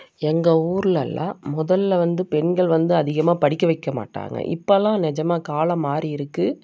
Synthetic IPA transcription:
ɛŋɡɐuːɾɯlɐlːã̰ːmʊðɐlːʋɐnd̪ɯpɛɳɡɐɭʋɐnd̪ɯɐðɪɣɐmaːpɐɽɪkːɐʋɐɪkːɐma̰ːʈːa̰ːŋɡɐ̰ʔɪ̰pːɐlãːnɪd͡ʒɐmaːkaːlɐmaːɾiɪɾɯkːɯ

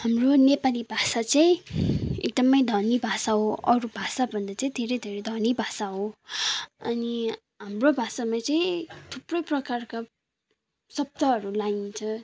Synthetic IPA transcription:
hamronepalibʱasat͡saĩḛk̚d̪ʌmʌjd̪ʱʌnibʱasaɦoʔʌɾubʱasabʱʌnd̪at͡saĩd̪ʱeɾʌjd̪ʱeɾʌjd̪ʱʌnibʱasaɦo | ʌni | ɦamrobʱasamat͡saĩt̪ʰuprʌjprʌkarka | sʌb̚t̪ʌɦʌɾulaint͡sʰʌ

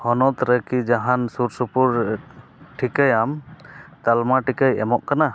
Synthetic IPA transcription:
hɔnɔt̪ɾəkid͡ʒaɦansuɾsupuɾ | ʈʰikajamt̪almaʈikajɛmɔʔkana

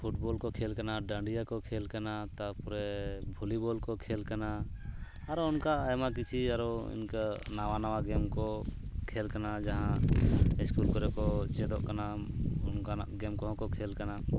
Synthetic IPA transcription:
pʰuʈbɔlkɔkʰɛlkanaɖaɳɖijakɔkʰɛlkanat̪apuɾɛbʱulibɔlkɔkʰɛlkanaː | ɾɔnkaːjmakit͡ʃʰiaɾɔḭnkanawanawaɡɛmkɔkʰɛlkanad͡ʒaɦãɛskulkɔɾɛkɔt͡ʃɛd̪ɔʔkanaɔnkaʔɡɛmkɔɦɔ̃kɔkʰɛlkana

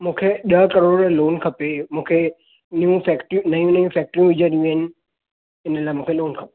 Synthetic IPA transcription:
mũːkʰeɗəkəɾoːɽɾloːnkʰɐpemũːkʰe | niũfɛkʈũnəjũnəjũfʰɛːk̚ʈɾjũʋɪd͡ʒəɾiũenɪ | ɪnəlaːemũːkʰeloːnkʰɐpe

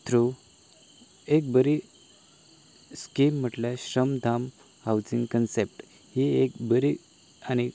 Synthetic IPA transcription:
t̪ɾu | ek̚bəɾi | skim̤ːəʈlaɕɾəmd̪ʱam | hawd͡zĩŋɡkənsep̚ʈ | hiek̚bəɾi | añi

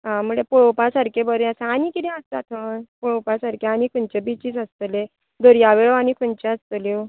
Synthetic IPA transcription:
ɦãm̤uɭepoɭopasaɾkebəɾasaanikit̪ɛ̃əst̪at̪ʰənpoɭopasaɾkeañikʰuɳt͡ɕebit͡ɕiːt͡səst̪əle | d̪ʱoɾjaʋeɭoañikʰuɳt͡ɕẽəst̪əlje

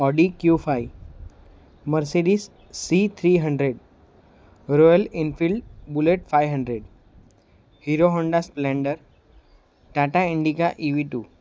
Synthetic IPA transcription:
ɔɖikjufaj | məɾseɖisː | it̪ʰɾiːɦə̃ɳɖɾeɖ | ɾɔjəlinfilɖbuleʈfajʋɦə̃ɳɖɾeɖ | hiɾoɦɔ̃ɳɖasplɛ̃ɳɖəɾ | ʈaʈaiɳɖikaʔiʋiʈu

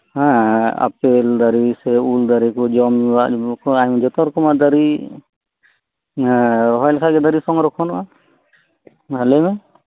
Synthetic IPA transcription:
hãa̰peld̪aɾisɛuld̪aɾikɔd͡ʒɔmiwaʔkɔajmd͡ʒɔt̪ɔɾkɔmad̪aɾi | ɾɔɦɔjlkʰaɡɛd̪aɾisɔŋɾɔkʰɔnʔa | alɛma

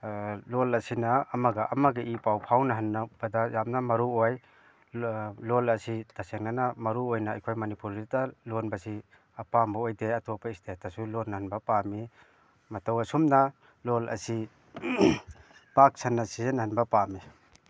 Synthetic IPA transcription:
lolɐsinaːmɐɡɐʔɐmaɡaʔipawpʰawnɐɦanːab̥ɐdajamnɐmɐɾuoj | lolɐsitaseŋnanamɐɾuojna̰ːjkʰojmɐnipuɾɾitalonbɐsi | ɐpambaojdeɐtɔpaistʰetʰasulonːɐhanbɐpami | mɐtowɐsumna | lolɐ̰si | pak̚sʰanːasizenahanbɐpami

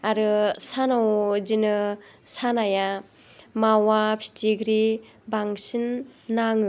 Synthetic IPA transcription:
aɾɯsanawd͡ʒinɯ | sanaja | mawapʰi̥tʰiɡɾi | baŋsinːaŋɯ

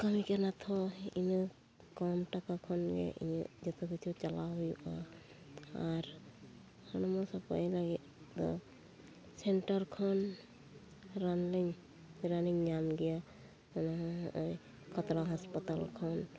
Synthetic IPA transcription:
kɔmikanat̪ʰɔinɯ | kɔmʈakakʰɔnɡɛ̰ʔḭnɯd͡ʒɔt̪ɔkitʰut͡ʃalaɦujʔa̰ | aɾ | hɔnɔmɔsɔpajlaɡit̪d̪ɔ̰ | senʈaɾkʰɔn | ɾanliŋ | ɾaniŋɲamɡɛja | anaɦj | kʰɔt̪ɾaɦɔspɔt̪alkʰɔn

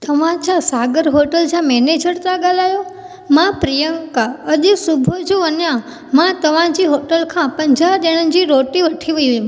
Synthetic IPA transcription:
t̪əʋãt͡ʃʰãsaɡəɾɦoʈəlt͡ʃʰãmɛned͡ʒəɾt̪aɡalajo | mãpɾijəŋkaədisubʱod͡ʒuənjã | mãt̪əʋãd͡ʒiɦoʈəlkʰãpəɲd͡ʒʱad̪eɽ̃ə̃nd͡ʒiɾoʈiʋəʈʰiʋəjʋi

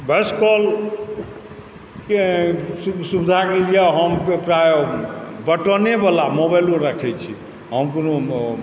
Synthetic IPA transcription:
beskɔl | kesusubd̪ʱakelijaɦəmpɾajobəʈɔnebalamobajloɾəkʰɛt͡ʃʰi | ɦəmkono

